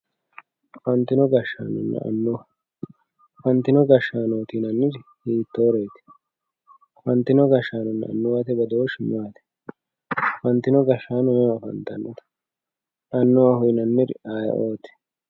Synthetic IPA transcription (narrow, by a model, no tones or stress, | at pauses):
fɐnt̪ːɪnɔɡɐʃːaːnɔ̰nːɛ̰ɐ̰nːʊwɐ | fɐnt̪ːɪnɔɡɐʃːaːnoːt̪inɐnːɪɾhiːt̪ːoːɾeːt̪ɪ̥ | fɐnt̪ːɪnɔɡɐʃːaːnʊnːɛ̰ɐ̰nːʊwat̪ɛbɐd̪owɔʃɪmaːt̪ɛ̥ | fɐnt̪ːɪnɔɡɐʃːaːnʊjɐfɐ̰nt̪ɐnːɐt̪ɐ̥ | ʔɐnːʊwɐhʊjnɐnːɪɾɪaːj̰ʔoːt̪ɛ̥